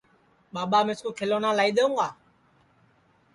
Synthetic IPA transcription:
ɓaːɓaːmɪskoːkʰeloːnãːlaːiːɗ̪eũːɡaː

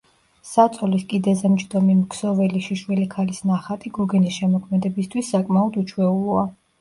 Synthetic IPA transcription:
sat̪sʼɔliskʼid̪ɛzɛmt͡ʃʰd̪ɔmimkʰsɔvɛliʃiʃwɛlikʰalisnaχat̪ʼiɡɔɡɛnisʃɛmɔkʰmɛd̪ɛbist̪ʰwisːakʼmaɔd̪ut͡ʃʰwɛulˠɔa

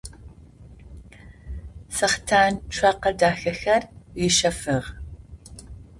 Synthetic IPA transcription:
sɐχtʰaːnʈ͡ʂʷʰɐqɐdaːxɐxɐrwɪʃɐfɨʁ

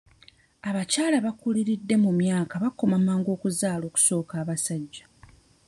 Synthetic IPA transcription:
aβacaːlaβakuliɾidːe̞mumjaːkaβakːo̞mamːaːŋɡo̞ːkuzaːlo̞ːku̥so̞ːkaːβasaɟːa

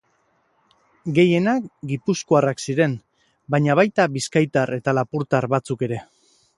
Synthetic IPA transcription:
ɡe̞je̞nakɡipuskoaraksiɾe̞n | baɲaβajt̪aβiskajt̪are̞t̪alapuɾt̪aɾβat͡suke̞ɾe̞

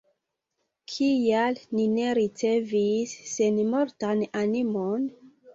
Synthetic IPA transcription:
kʰialnine̞ɾit͡se̞visːe̞nmo̞ɾtananimon

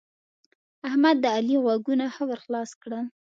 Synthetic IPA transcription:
ahmad̪ːəaliɣwaɡunaxəwəɾxlɑskɽəl

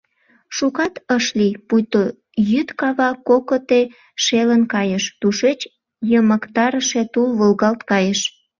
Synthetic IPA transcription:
ʃukɑt̪əʃlipujt̪o | jyt̪kɑβɑkokət̪e | ʃelənkɑjəʃt̪uʃet͡ɕ | jəməkt̪ɑɾəʃet̪ulβəlɣɑlt̪kɑjəʃ

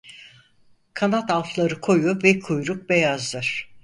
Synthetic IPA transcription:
kʰanat̪alˠflˠaɾɯkʰo̞juvɛkʰujɾuk̚bejazlˠɯɾ̥

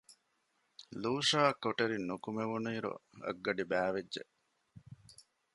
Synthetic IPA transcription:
luːʂaːkːoʈeɾinːukumeʋunuiːɾṵɐ̰ɡːɐɖibæːʋeːʒḛ

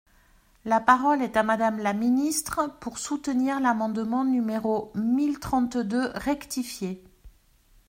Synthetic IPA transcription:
lapaʁɔlɛt̪amad̪amlaminist̪χəpuʁsut̪əniʁlamɑ̃d̪mɑ̃nymeʁomilt̪χɑ̃t̪d̪øʁɛkt̪ifje

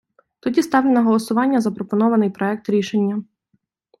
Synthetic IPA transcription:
t̪ʊdʲist̪ɑʋlʲenɐɦɔlˠɔsʊʋɑnʲːɐzɐpɾɔpɔnɔʋɐnɪjpɾɔɛk̚t̪ɾʲiʃenʲːɐ

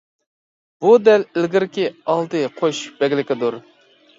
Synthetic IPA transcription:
bud̪ɛlɪlɡʲɪɾkʲiɑlˠd̪ɨqʰoʃb̥ɛɡʲlɪkʲɪd̪uɾ

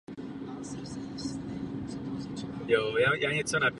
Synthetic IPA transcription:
jojajʔaɲɛt͡sonap

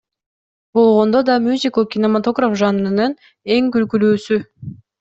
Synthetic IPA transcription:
bo̞lˠʁo̞nd̪od̪ɑmʲjuzʲikokʲinomat̪o̞ɡrafʒɑnɯnɯn | e̞ŋkylkylyːsy

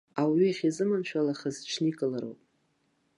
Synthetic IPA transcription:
awiχʲizɨmanʃᶣalaχəzʈ͡ʂʰnikʼɨlaɾo̰wpʼ

